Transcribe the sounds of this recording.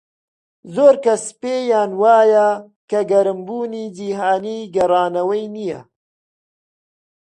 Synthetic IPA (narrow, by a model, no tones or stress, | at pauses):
zoːɾkɐspeːjaːnwaːja | kɐɡɐɾɨmbuːniːd͡ʒiːɦaːniːɡɐɾɑːnɐwɐjnijɐ̰